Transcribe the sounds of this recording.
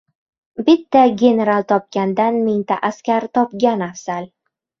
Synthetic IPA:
bɪt̪ːaɡʲe̞ne̞ɾalˠt̪ʰɒp̚ɡʲand̪anmeŋt̪ʰaʔaskʲaɾt̪ʰɒpɡʲanafsal

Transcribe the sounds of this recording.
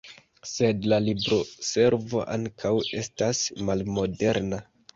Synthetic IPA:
se̞dlalibɾo̞se̞ɾvo̞ʔaŋkʰawe̞stasmalmo̞de̞ɾna

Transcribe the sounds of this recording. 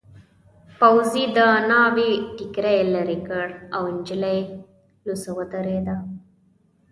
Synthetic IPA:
pawzid̪ənɑwiʈikɾajlaɾikəɽawɪnd͡ʒilaj | lusəwət̪əɾed̪a

